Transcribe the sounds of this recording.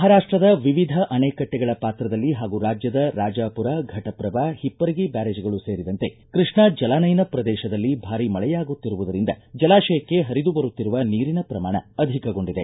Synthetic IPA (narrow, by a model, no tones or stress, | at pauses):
mɐɦaɾaːʂʈɾɐd̪ɐʋiʋid̪ʱɐʔɐneːkɐʈːɛɡɐɭɐpaːt̪ɾɐd̪ɐlːiɦaːɡuɾaːd͡ʒjɐd̪ɐɾaːd͡ʒaːpuɾaɡʱɐʈɐpɾɐʋahipːɐɾɐɡibaːɾeːd͡ʒɐɡɐɭuseːɾid̪ɐnt̪e̞kɾiʂɳɐd͡ʒɐlaːnɐjnɐpɾɐd̪ɛːʃɐd̪ɐlːibʱaːɾimɐɭɛjaːɡut̪ːiɾuʋud̪ɐɾind̪ɐd͡ʒɐlaːʃɐjɐkːe̞ɦɐɾid̪ubɐɾut̪ːiɾuʋɐniːɾinɐpɾɐmaːɳɐɐd̪ʱikɐɡo̞ɳɖid̪e̞̰